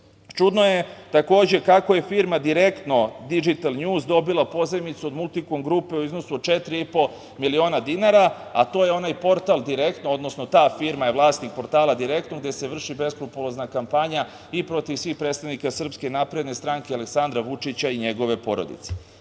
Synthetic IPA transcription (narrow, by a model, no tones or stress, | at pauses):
t͡ʃud̪nojet̪ako̞ːd͡ʑe̞kako̞je̞fiɾmad̪iɾe̞kt̪no̞d̪id͡ʒit̪alɲuːzd̪o̞bilˠapo̞zemit̪suo̞d̪mulˠt̪ikomɡɾuːpe̞uizno̞sut͡ʃe̞t̪ɾiipo̞ | milio̞ːnad̪inaɾaat̪o̞jeo̞najpo̞ɾt̪alˠd̪iɾekt̪noo̞d̪no̞snot̪aːfiɾmajeʋlˠaːst̪nik̚po̞ɾt̪aːlad̪iɾe̞k̚t̪noɡd̪e̞se̞ʋr̩ʃibe̞skɾupulˠoznakampaɲa | ipɾo̞t̪iʋsʋiːxpɾet̪t̪aʋnikasr̩pske̞napɾe̞d̪ne̞st̪ɾaŋkealeksand̪ɾaʋut͡ʂit͡ɕaiɲe̞ɡo̞ʋe̞po̞ɾo̞̰d̪ḭt̪se